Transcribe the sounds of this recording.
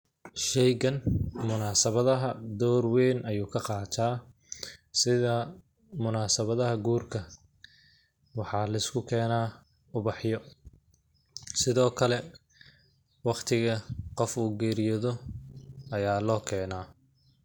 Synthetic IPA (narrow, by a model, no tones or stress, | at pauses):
ʃɛjɣɐnmʊnaːsɐβɐðɐɦɐd̪ɔːrwɛːnʔɐjuːkʰɐqɑːt̪ʰaː | sɪðɐ | mʊnaːsɐβɐðɐɦɐɡuːrkʰɐ | wɑħɑːlɐɪskʰʊkʰɛːnaː | ʊβɑħjɔ | sɪðɔːkʰɐlɛ | wɑqt̪ʰɪɣɐqɔfuːɡɛːɾɪjɔðɔ | ɐjaːlɔːkʰɛːnaː